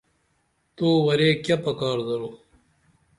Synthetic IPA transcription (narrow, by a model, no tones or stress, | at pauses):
t̪oːwɐɾeːkjɐpɐkɑːɾd̪ɐɾoː